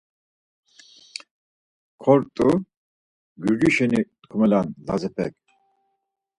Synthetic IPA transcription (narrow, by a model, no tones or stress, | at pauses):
kʰɔɾt̪ʼu | ɡyɾd͡ʒiʃɛnit̪kʰumɛlanlazɛpʰɛ̰k̚ʼ